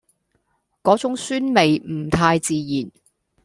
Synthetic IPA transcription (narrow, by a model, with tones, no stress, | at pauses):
kɔː˨˥t͡sʊ˨˥ŋsyː˥nme˨jm̩˨˩t̪ʰaː˧jt͡siː˨˧jiː˨˩n